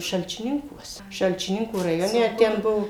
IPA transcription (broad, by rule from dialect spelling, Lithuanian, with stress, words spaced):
ʃɐlʲt͡ʃʲɪˈnʲɪŋkuɔs ʃɐlʲt͡ʃʲɪˈnʲɪŋkuː rɐˈjoːnʲɛ ˈtʲɛn ˈbuɔ